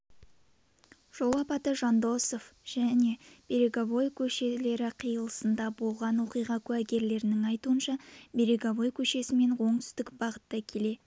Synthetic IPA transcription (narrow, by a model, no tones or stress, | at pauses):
ʒ̥olˠɑpɑt̪əʒɑnd̪o̞sofʒ̥æne̞b̥e̞ɾe̞ɡʲɑbo̞jkʲʰɵʃe̞le̞ɾɪqʰijəlˠəsənd̪ɑbo̞lˠʁɑnwo̞qijʁɑkʲʰʉæɡʲe̞ɾle̞ɾɪnɪŋɑjt̪uənʃɑbe̞ɾe̞ɡʲɑβo̞jkʲʰɵʃe̞sɪme̞nwo̞ɴt̪ʰʏ̥st̪ɪkbɑʁət̪ːɑkʲʰe̞le̞